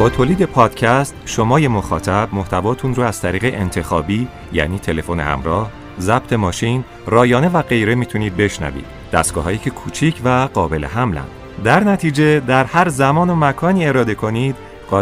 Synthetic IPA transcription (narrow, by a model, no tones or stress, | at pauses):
b̥ɒːt̪ʰoːliːd̪e̞pʰɒːd̪̥cʰæst̪ʃo̞mɒːje̞mo̞xɒ̰ːt̪ʰæb̥̚mo̞ht̪ʰævɒːt̪ʰunroæz̥t̪ʰæɾiːɣe̞ʔent̪ʰe̞xɒːbiː | jæ̰ːniːt̪ʰe̞le̞fo̞ne̞̰hæ̰mɾɒːh | zæb̥̚t̪ʰe̞mɒːʃin | rɒːjɒːne̞væɣe̞jɾe̞miːt̪ʰuniːd̪̚be̞ʃnæ̰vḭːd̪̥ | d̪æ̰st̪ɡɒ̰ːɦɒːjiːcʰe̞kʰuːt͡ʃʰiːcʰvæɢɒːbe̞̰le̞̰ɦæmlæ̰nd̪̥ | d̪æɾnæt̪ʰiːd͡ʒe̞d̪æɾhæɾzæmɒːno̞mækʰɒːniːe̞ɾɒːd̪e̞kʰo̞nid̪̥ | ɢɒː